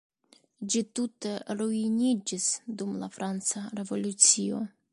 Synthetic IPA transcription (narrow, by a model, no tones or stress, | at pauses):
d͡ʒitute̞ɾuinʲid͡ʒisdumla̰fɾʔant͡saɾe̞vo̞lut͡sio̞̰